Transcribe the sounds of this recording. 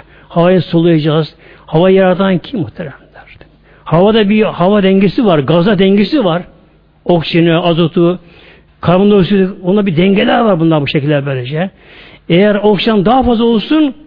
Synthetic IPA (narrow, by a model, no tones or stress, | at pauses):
havajɯsolˠujad͡ʒaːz̥ | havajjaɾad̪ʰancʰimmːuht̪ʰelæmd̪æɾ̥ | havad̪abihavad̪ɛɲɟesivaɾɡazad̪ɛɲɟesivaɾ | okt͡ʃinɛazot̪ʰu | kʰaɾmɯnd̪osud̪ond̪abid̪ɛɲɟelʲæɾvaɾbund̪anbuʃecilʲːæɾbøːlʲed͡ʒɛ | ejæɾokʃand̪aɦafazlˠao̞lˠsun